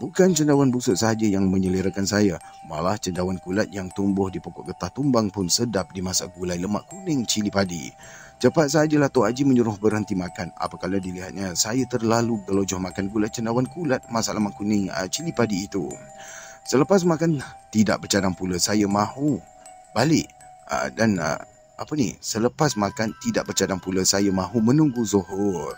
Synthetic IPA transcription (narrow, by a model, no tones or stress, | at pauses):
bukant͡ʃəndawanbusʊt̪̚saɦad͡ʒajaŋmə̃ɲəliɾəkansaja | ma̰laht͡ʃəndawankulat̪̚jaŋt̪umbʊhdipokɔʔɡət̪aht̪umbaŋpʊnsədap̚dimasa̰ɡulajləma̰ʔkunɪŋt͡ʃilipadḭ | t͡ʃəpat̪̚s̬əɦad͡ʒəlaht̪oad͡ʒiməɲuɾʊhbərhənt̪imakana̰pakaladiliɦat̪̚ɲasajat̪ərlaluɡəlod͡ʒɔhmakanɡulajt͡ʃəndawankulat̪̚masaʔləmaʔkunɪŋə̰t͡ʃilipadiːt̪ṵ | sələpas̬makant̪ida̰ʔ̚bərt͡ʃadaŋpuləsajamãhu | balɪʔ | danə̰ | apənḭsələpasmakant̪idaʔbərt͡ʃadaŋpuləsajamãɦumənuŋɡuzohʊr